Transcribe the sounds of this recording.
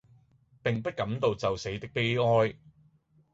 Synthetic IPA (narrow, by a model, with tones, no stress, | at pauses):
pɪ˨ŋpɐ˥t̚kɐ˨˥mt̪o˨wt͡sɐ˨wse˨˥jt̪ɪ˥k̚pe˥jɔː˥j